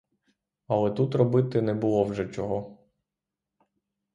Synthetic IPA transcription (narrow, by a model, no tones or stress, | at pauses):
ɐlˠɛt̪ut̪rɔbɪt̪ɪnɛbʊlˠɔwʒɛt͡ʃɔɦɔ